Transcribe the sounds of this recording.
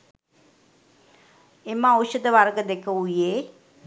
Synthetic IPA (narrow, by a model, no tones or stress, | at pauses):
emaowʃəd̪əʋaɾɡəd̪ekəujeː